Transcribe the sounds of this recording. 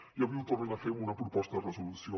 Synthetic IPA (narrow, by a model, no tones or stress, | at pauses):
iɐβiwt̪oɾenɐfemunɐpɾupɔst̪ɐðrəzulusjo